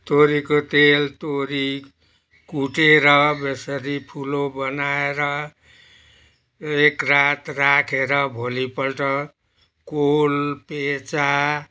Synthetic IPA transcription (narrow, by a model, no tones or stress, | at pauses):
t̪oɾikot̪elt̪oɾi | kuʈeɾʌbesʌɾipʰulobʌnaeɾʌ | ekrat̪rakʰeɾʌbʱolipʌlʈʌ | kolpet͡sa